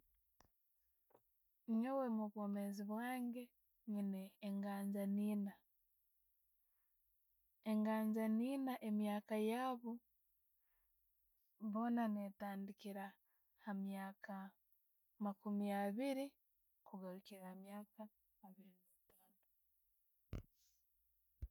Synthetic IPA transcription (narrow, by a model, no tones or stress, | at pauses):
ɲowemuβwomeziβwaːŋɡe̞ | ɲineːŋɡaːɲd͡ʒaniːna | e̞ŋɡaːɲɟaniːnaʔe̞mjaːkajaːβu | βo̞nanetaːndikiɾa | hamjaːka | makumijaβiɾi | kuɡaɾukiɾamjaːkaː | βiɾinitaːno